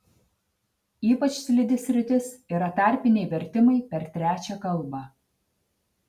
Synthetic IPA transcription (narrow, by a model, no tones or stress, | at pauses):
iːpɐt͡ʃʲsʲlʲɪd̪ʲɪsʲɾʲɪt̪ʲɪsiːɾɐt̪ɐˑɾʲpʲɪnʲɛɪʋʲɛɾʲt̪ʲɪmɐɪpʲɛɾt̪ʲɾʲæːt͡ʃʲɛkɐlˠˑbɐ